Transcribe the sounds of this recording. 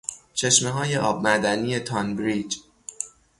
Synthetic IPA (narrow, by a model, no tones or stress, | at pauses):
t͡ʃʰe̞ʃmeɦɒːje̞ʔɒːb̚mæɾd̪æniːje̞t̪ʰɒnbɾiːd͡ʒ